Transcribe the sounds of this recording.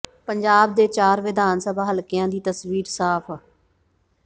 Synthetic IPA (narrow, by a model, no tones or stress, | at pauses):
pəɲd͡ʒaːb̚d̪eːt͡ʃaːɾʋɪd̪aːnsəbʱaːɦəlkɪjãːd̪iːt̪əsʋiːɾsaːpʰ